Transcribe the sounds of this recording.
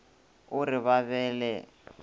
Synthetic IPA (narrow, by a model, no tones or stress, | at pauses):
ʊrɪβaβɛːlɛ